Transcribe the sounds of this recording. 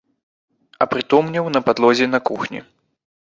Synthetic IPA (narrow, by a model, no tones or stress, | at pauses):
ɐ̰pɾɨt̪ɔmnʲɐwnɐpad̪lˠɔzʲɛnɐkuxnʲḭ